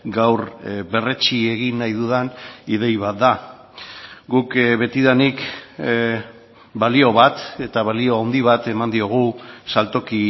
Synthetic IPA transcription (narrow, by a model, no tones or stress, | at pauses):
ɡawɾβe̞ret͡ʃie̞ɣinːajðuðanið̞e̞jβat̪̚d̪a | ɡukβe̞t̪iðanik | balio̞βat̪e̞t̪aβalio̞awnd̪iβat̪e̞mand̪io̞ɣ̞usalt̪o̞ki